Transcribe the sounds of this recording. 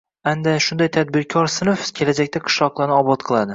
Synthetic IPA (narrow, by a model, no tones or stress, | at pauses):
and̪aʃʊnd̪ajt̪ʰad̪̚bɪɾkʲʰɒɾsɪnofkʲʰe̞lad͡ʒakʲt̪aqʰɨ̥ʃlˠɒqlˠaɾnɪɒbɒt̪̚qʰɨlˠad̪ɪ